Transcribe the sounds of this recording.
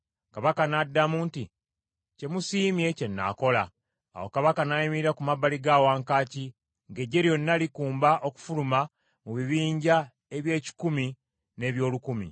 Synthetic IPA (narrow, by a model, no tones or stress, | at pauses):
kaβakanadːamunti | ce̞musiːmje̞ce̞nːa̰ːko̞la | a̰wo̞̰kaβakanajimiiɾakumabːaliɡaːwaːŋkaːci | ŋɡe̞ɟːe̞ɾjo̞nːalikuːmbaʔo̞ku̥fuluma | muβiβiːɲɟa | e̞βje̞ːci̥kumi | ne̞βjo̞ːlukumḭ